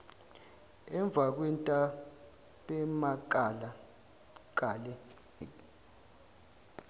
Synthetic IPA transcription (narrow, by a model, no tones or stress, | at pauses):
ɛɱb̪vʱak̬wɛntʼa | ɓʼɛmakʼala | kʼalɛ